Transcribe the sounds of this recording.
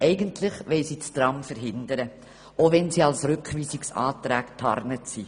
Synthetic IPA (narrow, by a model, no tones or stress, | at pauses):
ɛɪɡəntʰlɪχʋɛɪsiːt͡stɾɑmfəɾɦɪndəɾə | ovɛnsiːɑlsɾʏkχʋiːsiksɑ̰ːtɾæːktʰɑ̰ɾnətsi